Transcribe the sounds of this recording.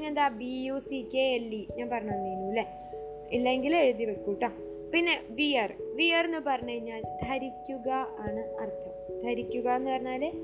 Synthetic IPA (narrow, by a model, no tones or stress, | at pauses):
nend̪aːbijuːsikeelːiɲaːnpɐrɐɲanːiːnuːle | ilːeŋɡileɻuðiʋɐkːuːʈːaː | pinːe̞ʋijɐrʋijɐrnːɨpɐrɐɲːɐɻiɲːaːld̪ʱɐɾikʲːuɣɐaːɳɨɐrt̪ʰɐmd̪ʱɐɾikʲːuɣɐenːɨpɐrɐɲːaːlː